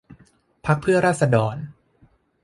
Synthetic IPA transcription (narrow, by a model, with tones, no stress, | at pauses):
pʰa˦˥k̚pʰɯ˥˩ɐɾaː˥˩t̪̚sa˧dɔː˨˩n